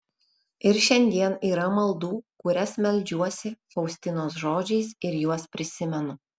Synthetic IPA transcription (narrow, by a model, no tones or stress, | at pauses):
ɪɾʃʲɛnʲd̪ʲiɛniːɾɐmɐlˠd̪uːkʊɾʲɛsmʲɛlʲˑd͡ʒʲuɔsʲɪfɐʊsʲt̪ʲɪnoːsʒoːd͡ʒʲɛɪsɪɾjuɔspʲɾʲɪsʲɪmʲɛnʊ